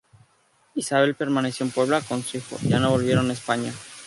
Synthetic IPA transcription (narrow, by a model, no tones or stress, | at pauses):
isaβe̞lpe̞ɾmane̞sjoumpwe̞β̞loako̞nsuixo̞̰ʝa̰no̞βo̞lβje̞ɾo̞naespaɲa